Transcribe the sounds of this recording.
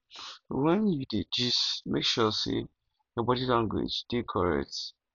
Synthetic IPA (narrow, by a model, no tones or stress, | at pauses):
wɛ̃njuded͡ʒismekʃɔsḛ | jɔbɔdilãŋɡwḛd͡ʒd̥ekʰɔɹɛ̰t